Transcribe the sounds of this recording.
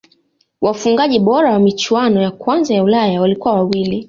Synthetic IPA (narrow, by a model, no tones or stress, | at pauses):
wafuŋɡaʄiɓɔɾawamit͡ʃwanɔjakwanzajaulajawalikuwawawili